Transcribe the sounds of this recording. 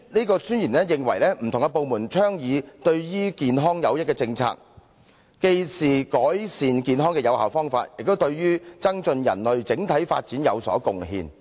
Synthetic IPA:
niː˥kɔː˧syː˥njiː˨˩nlɛː˥jɪ˨ŋwɐ̰˨˩jlɛː˥m̩˨˩t̪ʊ˨˩ŋkɛ˧po˨˧wmuː˨˩nt͡ʃʰœː˥ŋjiː˨˧t̪ɵ˧ɥjyː˥kiː˨nɦɔː˥ŋjɐ˨˧wjɪ˥t̚kɛ˧t͡sɪ˧ŋt͡sʰa̰ː˧k̚ | ke˧jsiː˨˩kɔː˨˥jsiː˨˧nkiː˨˧nɦɔː˥ŋkɛ˧jɐ˨˧whaː˨wfɔː˥ŋfa̰ː˧t̚jɪ˨k̚t̪o˥wt̪ɵ˧ɥjyː˥t͡sɐ˥ŋt͡sɵ˧njɐ̰˨˩nlɵ˨ɥt͡sɪ˨˥ŋt̪ʰɐ˨˥jfa̰ː˧t̚t͡siː˨˥njɐ̰˨˧wsɔ̰ː˨˥kʊ˨ŋɦḭː˧n

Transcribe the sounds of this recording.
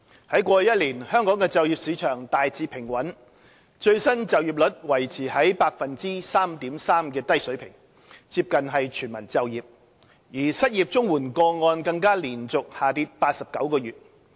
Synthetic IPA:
hɐ˨˥jkʷɔː˧jɐ˥t̚liː˨˩nhœː˥ŋkɔː˨˥ŋkɛː˧t͡sɐ˨wjiː˨p̚siː˨˥t͡ʃʰœː˨˩ŋt̪aː˨jt͡siː˨pʰɪ˨˩ŋwɐ˨˥n | t͡ʃɵ˧ɥsɐ˥nt͡sɐ˨wji˨p̚lɵ˨˥t̚wɐ˨˩jt͡sʰiː˨˩hɐ˨˥jpaː˧k̚fɐ˨nt͡siː˥saː˥mt̪iː˨˥msaː˥mkɛː˧t̪ɐ˥jsɵ˨˥pʰɪ̰˨˩ŋ | t͡siː˧p̚kɐ˨nɦɐ˨jt͡ʃʰyː˨˩nmɐ˨˩nt͡sɐ˨˧wjiː˨p̚ | jiː˨˩sɐ˥t̚jiː˨p̚t͡sʊ˥ŋwuː˨˩nkɔː˧ŋɔː˧nkɐ˧ŋkaː˥liː˨˩nt͡sʊ˨k̚haː˨t̪iː˧t̚paː˧t̚sɐ˨p̚kɐ˨˥wkɔː˧jyː˨t̚

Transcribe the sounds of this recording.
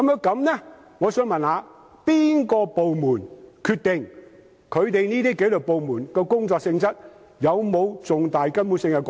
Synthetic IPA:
kɐ˨˥mjœː˥ŋkɐ˨˧˥mnɛ˥ | ŋɔː˨˧sœː˨˧ŋmɐ˨nhaː˨˧ | piː˥nkɔː˧po˨wmuː˨˩nkʰyː˧t̪ɪ˨ŋ | kʰɵ˨˧ɥt̪e˨jniː˥t̪iː˥ke˨˥jlɵ˨˩po˨wmuː˨˩nkɛː˧kʊ˥ŋt͡sɔː˧k̚sɪ˧ŋt͡sɐ˥t̚ | jɐ˨˧wmo˨˧wt͡sʊ˨ŋt̪aː˨jkɐ˥npuː˨˥nsɪ˧ŋkɛ˧k

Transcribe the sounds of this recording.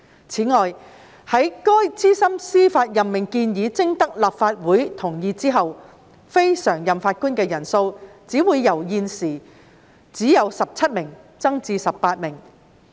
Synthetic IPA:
t͡sʰiː˨˥ŋɔː˨j | hɐ˨˥jkɔː˥jt͡siː˥sɐ˥msiː˥faː˧t̚jɐ˨mmɪ˨˩ŋkiː˧njiː˨˥t͡sɪ˥ŋt̪ɐ˥k̚laː˨p̚faː˧t̚wuː˨˥jt̪ʰʊ˨˩ŋjiː˧t͡siː˥ɦɐ˨w | fe˥jsœː˨˩ŋjɐ˨˩mfaː˧t̚kuː˥nkɛː˧jɐ˨˩nso˧wt͡siː˨˥wuː˨˧jːɐ˨˩wjiː˨˧nsiː˨˩ | t͡siː˨˥jɐ˨˧wsɐ˨p̚t͡sʰɐ˥t̚mɪ˨˩ŋ | t͡sɐ˥ŋt͡siː˧sɐ˨pːaː˧t̚mɪ˨˩ŋ

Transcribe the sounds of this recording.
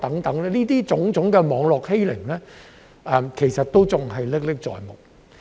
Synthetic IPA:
t̪ɐ˨˥ŋt̪ɐ˨˥ŋlɛː˥liː˥t̪iː˥t͡sʊ˨˥ŋt͡sʊ˨˥ŋkɛː˧mɔː˨˧ŋlɔː˨k̚he˥jlɪ˨˩ŋlɛː˥ | ɛː˨mkʰe˨˩jsɐ˨t̚t̪o˥wt͡sʊ˨ŋɦɐ˨jlɪ˥k̚lɪ˥k̚t͡sɔ̰ː˨jmʊ˨˩k̚

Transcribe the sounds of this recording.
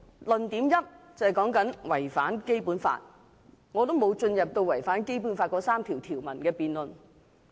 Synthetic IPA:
lɵ˨nt̪iː˨˥mjɐ˥t̚t͡sɐ˨whɛ˨jkɔː˨˥ŋkɐ˨˥nwɐ˨˩jfaː˨˥nke˥jpuː˨˥nfa̰ː˧t̚ | ŋɔː˨˧t̪̬o˥wmo˨˧wt͡ʃɵ˧njɐ˨p̚t̪o˧wɐ˨˩jfaː˨˥nke˥jp̬uː˨˥nfaː˧t̚kɔː˨˥saː˥mt̪ʰiː˨˩wt̪ʰiː˨˩wmɐ˨˩nkɛː˧piː˨nlɵ˨n

